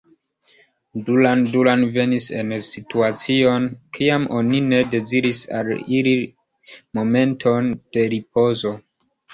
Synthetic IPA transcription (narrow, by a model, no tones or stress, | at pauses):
dulandulanve̞nise̞nsituat͡sio̞nkʰiamʔo̞nine̞de̞ziɾisa̰lili | mo̞me̞ntʰo̞nd̥e̞ɾipo̞zo̞